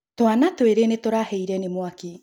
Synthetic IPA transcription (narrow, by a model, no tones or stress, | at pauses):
twanatweɾenetoɾahɛiɾɛnemwaki